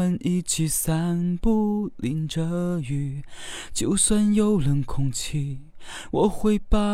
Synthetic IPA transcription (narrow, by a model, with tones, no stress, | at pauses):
ə˧˥nʔi˧˩t͡ɕʰi˧˥sa˥npu˥˧li˧˥nʈ͡ʂə˧y˧˥t͡ɕjo˥ʊswa˥˧njo˥˧ʊlə˧˥nkʰʊ˥ŋt͡ɕʰi˥˧ | wʔɔ˨˩xwe˧˥ɪpa˥˧